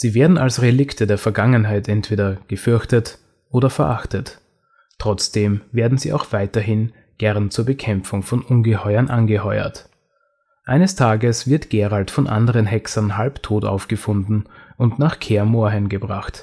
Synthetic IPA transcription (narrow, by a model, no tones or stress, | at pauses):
z̥iːveːɐdn̩alsʁelɪktʰədeːɐfɛɐɡaŋənɦaɪtʔɛntv̥eːdɐɡ̥əfʏɐçtət | ʔoːdɐfɛɐʔaχtət | tʁ̥ɔt͡sd̥eːmveːɐdn̩ziːʔa̰ʊxv̥aɪtɐɦɪn | ɡ̥ɛʁnt͡suːɐbəkʰɛmp͡fʊŋfɔnʔʊnɡəhɔʏɐnʔanɡəhɔʏɐ̰t | ʔaɪnəstʰaːɡəsv̥ɪɐtɡ̥eːʁaltfɔnʔa̰ndəʁənɦɛksɐnɦalptʰoːta̰ʊfɡ̥əfʊndn̩ʊntnaːχkʰeːɐmoːɐɦɛnɡəbʁaχt